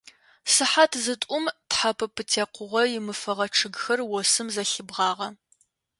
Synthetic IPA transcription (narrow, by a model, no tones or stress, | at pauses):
sɨħatʰzɨtʷʼʊmtħapʰɐpʰɨtʰeːqʷʊʁʷɔjɪmɨfɐʁɐʈ͡ʂʰɨɡxɐrwɔsɨmzɐɬɨbʁɑːʁɐ